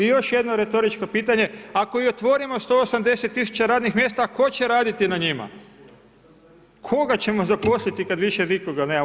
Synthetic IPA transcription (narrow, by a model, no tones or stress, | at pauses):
ijo̞ʃje̞d̪no̞ɾe̞t̪o̞ɾit͡ʃko̞piːt̪aɲe̞ako̞io̞t̪ʋo̞ɾimost̪o̞osamd̪e̞set̪ːisu̥t͡ɕaɾaːd̪nixmʲje̞ːst̪ako̞t͡ɕe̞ɾaːd̪it̪inaɲima̰ | kʰo̞ɡat͡ɕe̞mo̞zapo̞slit̪ikad̪ʋiʃezikoɡalne